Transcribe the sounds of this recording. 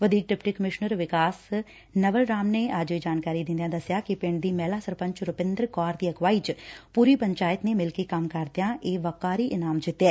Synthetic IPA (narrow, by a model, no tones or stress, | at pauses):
ʋəd̪ʱiːk̚ɖɪpʈiːkəmɪʃnəɾʋɪkaːs | nəʋəlɾaːmneːaːd͡ʒʋiːd͡ʒaːnkaːɾiːd̪ɪ̃nd̪ijãːd̪əsjaːkɪpɪɳɖd̪iːmɛːlaːsəɾpə̃ɲt͡ʃɾʊpɪ̃nd̪ɾkaːɾd̪iːəkʋaːiːt͡ʃpuːɾiːpəɲt͡ʃaːɪt̪neːmɪlkekəmkəɾd̪ɪjãːʔeːʋəkaːɾiːʔɪnaːmd͡ʒɪt̪ːɛː